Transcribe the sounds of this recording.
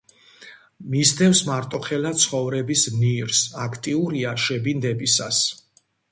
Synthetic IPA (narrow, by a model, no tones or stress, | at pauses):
mizd̪ɛfsmaɾt̪ʼɔχɛlat̪sʰχɔvɾɛbismniɾsakʰt̪ʼiuɾiaʃɛbind̪ɛbisa̰s